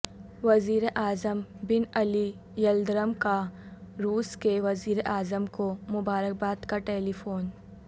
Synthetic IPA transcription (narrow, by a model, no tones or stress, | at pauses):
ʋɐziːɾeʔaːzəmbɪnɐli | jɐld̪ɾəmkaɾuːskeʋɐziːɾeʔaːzəmkomʊbaːɾək̚baːd̪kaʈeːlifoːn